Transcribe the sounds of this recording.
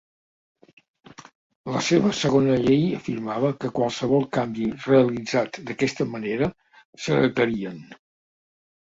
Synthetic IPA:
ləseβ̞əsəɣonəʎejəfiɾmaβəkəkwalˠsəβɔlˠkambireəlid͡zat̪d̪əkɛst̪əməneɾə | səðət̪əɾiən

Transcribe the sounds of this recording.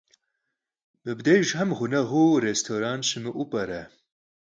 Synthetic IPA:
mɨbd̪ejʒɦɐmʁʊnɐɣuɾest̪ʰoːɾaːnʃɨmɨʔupʼɐɾɛ

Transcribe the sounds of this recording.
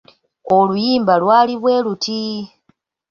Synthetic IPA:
olujiːmbalwaːliβwe̞ːlutʰi

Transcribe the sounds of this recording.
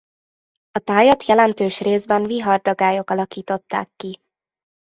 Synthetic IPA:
ɒt̪aːjɒt̪jɛlɛnt̪øːʃreːzbɛnviɦɒrd̪ɒɡaːjo̞kɒlɒkiːt̪o̞t̪ːa̰ːkːi

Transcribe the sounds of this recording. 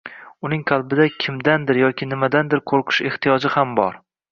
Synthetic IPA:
ʊnɪŋqʰɑlˠbɪd̪akʲʰɪmd̪and̪ɪɾjɒkʲʰɪnɪmad̪and̪ɪɾqʰoɾqʰɨ̥ʃe̞ht̪ijɒd͡ʒɪhambɒɾ

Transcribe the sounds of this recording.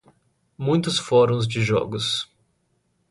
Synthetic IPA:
mũj̃t̪ʊsfɔɾõzd͡ʒɪʒɔ̰ɡʊs

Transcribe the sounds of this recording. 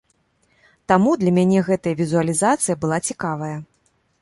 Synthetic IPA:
t̪amud̪lʲɐmʲanʲɛɣɛt̪ɐjɐvʲizuɐlʲizat̪sɨjɐbɨlˠat͡sʲikavɐjɐ

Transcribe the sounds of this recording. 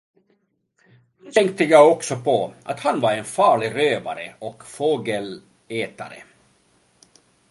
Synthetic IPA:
t̪ʰɛŋk̚t̪əjaɡɔksɔpʰɔʔa̰t̪hanvaɾɛnfɑːɭɪɾøːva̰ɾəɔkfoːɡəl | eːt̪a̰ɾə̰

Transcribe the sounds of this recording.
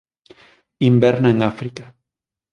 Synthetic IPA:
imbeɾneŋafɾikḁ

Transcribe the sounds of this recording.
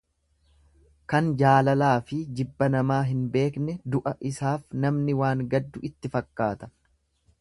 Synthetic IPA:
kɐnd͡ʒaːlɐlaːfɪd͡ʒɪbːɐnɐmaːɦɪnbe̞ːknɛd̪ʊʔɐʔɪsaːfnɐmnɪwaːŋɡɐd̪ːʊʔɪt̪ːɪfɐkːaːt̪ɐ̥

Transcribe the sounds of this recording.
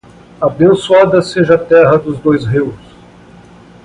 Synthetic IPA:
abẽnsuad̪ɐseʒɐat̪ɛɦɐd̪ʊzd̪ojzɦiws

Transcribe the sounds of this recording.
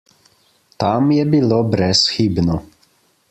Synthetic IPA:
t̪amjɛbilobɾɛsxiːbnɔ

